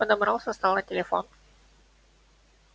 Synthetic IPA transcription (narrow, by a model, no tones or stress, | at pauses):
əd̪əmɾawsəst̪awlat̪ʲelefo̰n